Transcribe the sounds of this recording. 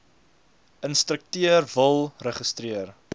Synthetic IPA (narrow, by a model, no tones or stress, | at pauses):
ənstɾək̚tiərvəlˠrəχəstriər